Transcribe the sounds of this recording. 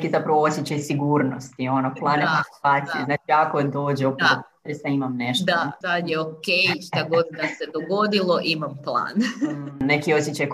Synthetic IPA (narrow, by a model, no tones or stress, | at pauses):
kizapɾaʋoosʲjet͡ɕajsiɡuːɾno̞st̪io̞noplˠaːneaːt̪sijeznaːt͡ʃiako̞d̪o̞ːd͡ʑeopop | ɾesaimamneʃtd̪asad̪jeokejʃt̪aɡo̞d̪k̪ased̪oɡo̞d̪ilˠo̞ʔimamplˠa̰ːnnekiosʲjet͡ɕaj